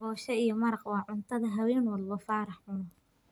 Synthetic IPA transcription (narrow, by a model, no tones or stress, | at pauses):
bɔːʃɐijɔmɐɾɑqwɑːʕʊnt̪ʰɐðɐɦɐwɛːnwɔllɔfɑːɾɑħʕʊnɐ